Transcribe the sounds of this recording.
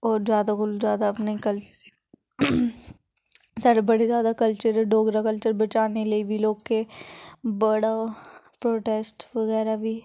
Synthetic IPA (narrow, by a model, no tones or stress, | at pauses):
ɔːɾzjaːd̪akʊlzjaːd̪aɐpnekɐl | saːɽebɐɽezjaːd̪akɐlt͡ʃəɾɖʱoːɡɾakəlt͡ʃəɾbɐt͡ʃaːneləibʱiloːɡke | bɐɽapɾoːʈeːsʈʋɐɣɛːɾabʱi